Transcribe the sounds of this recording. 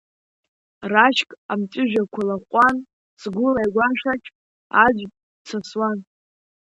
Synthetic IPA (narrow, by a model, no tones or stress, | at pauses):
raʃkʼamt͡ʃʼɪʒᶣakʷʰalaχʷʼan | sɡʷʊlajɡʷaʃat͡ʃʲʰʼ | ad͡ʒʷʼ | t͡sʰaswan